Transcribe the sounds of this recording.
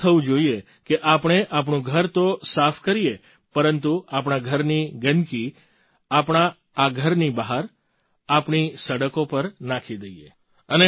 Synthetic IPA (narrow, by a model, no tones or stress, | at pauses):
t̪ʰəʋũd͡ʒoie | keʔapəɳ̃eʔapɳũɡʱəɾt̪osafʰkəɾie | pəɾənt̪uap̬ɳaɡʱəɾniɡənki | apɳ̃aː | ɡʱəɾnibaɦaɾ | apɳisəɽəkopəɾnakʰid̪əiḛ | əne